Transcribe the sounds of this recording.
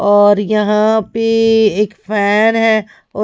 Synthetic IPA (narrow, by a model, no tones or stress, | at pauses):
ɔːɾjɐɦãpeeːkfʰɛːnɦɛ | ɔ